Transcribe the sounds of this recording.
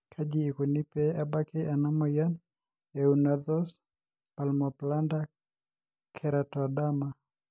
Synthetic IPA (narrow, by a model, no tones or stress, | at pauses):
kʰad͡ʒiːkunipɛabakianamɔjan | ɛunaðɔs | palmɔplanda | kʰɛɾatɔdama